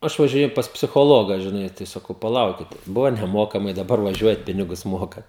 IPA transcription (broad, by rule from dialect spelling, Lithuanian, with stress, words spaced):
ˈɐʃ ʋɐʒʲɪˈnʲeːjʊ pɐs pʲsʲɪxoːˈlˠoːɡɐ ʒʲɪˈnɐɪ tɐɪ sɐˈkɐʊ pɐˈlˠɐʊkʲɪtʲɛ ˈbʊʋoː nʲɛˈmoːkɐmɐɪ dɐˈbɐr ʋɐˈʒʲuɔjɛt ˈpʲɪnʲɪɡʊs ˈmoːkɐt